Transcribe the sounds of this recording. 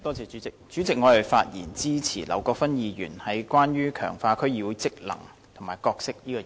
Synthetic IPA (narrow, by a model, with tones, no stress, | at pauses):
t̪ɔː˥t͡sɛː˨˧y˨˥t͡sɪ˨k̚t͡ʃyː˨˥t͡sɪ˨k̚ŋɔː˨˧lɐ˨˩fa̰ː˧t̚jḭː˨˩nt͡siː˥t͡sʰiː˨˩lɐ̰˨˩wkɔː˧k̚fɐ˥njiː˨˧jyː˨˩nhɐ˨˩jkwaː˥njyː˥kʰœ̰ː˨˩ŋfaː˧kʰɵ˥ɥjiː˨˧wu˨˧jt͡sɪ˥k̚lɐ̰˨˩ŋ | t̪ʰʊ˨˩ŋmaː˨˩jkɔː˧k̚sɪ˥k̚jiː˥kɔ˧